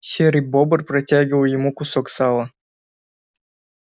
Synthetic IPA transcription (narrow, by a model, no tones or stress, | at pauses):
ɕeɾʲibobɤ̆rpratʲaɡʲəlˠjɪmukusoksɑlˠɤ̆